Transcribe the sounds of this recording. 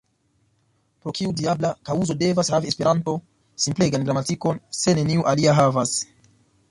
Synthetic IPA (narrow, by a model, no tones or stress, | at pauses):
pɾo̞kiudiablakauzo̞de̞vashaviespe̞ɾanto̞ | simple̞ɡanɡɾamatiko̞nse̞ne̞niuʔaliaɦavas